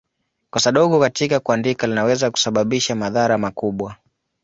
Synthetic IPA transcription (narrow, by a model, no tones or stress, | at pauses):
kasaɗɔɠɔkatikakuandikalinawɛzaku̥saɓaɓiʃamaðaɾamakuɓwa